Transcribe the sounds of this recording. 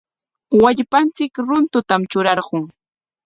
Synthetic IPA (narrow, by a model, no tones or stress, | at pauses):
waʎpant͡sɪkɾʊnt̪ʊt̪amt͡ʃʊɾɑɾɢʊŋ